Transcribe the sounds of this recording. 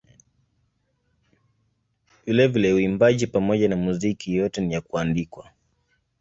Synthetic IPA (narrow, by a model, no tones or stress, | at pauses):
vilɛvilɛuimbaʄipamɔʄanamuzikʰijɔtɛnijakuandikwa